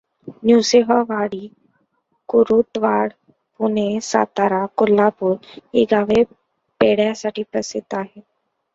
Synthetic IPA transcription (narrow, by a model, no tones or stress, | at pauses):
njuːseːɦaːʋaːɽiː | kʊɾuːt̪ʋaːɽ | pʊneːsa̰ːt̪aːɾaːkʊlːaːpʊɾɪɡaːʋeː | peːɽaːsaʈiːpəsɪt̪aːɦɛː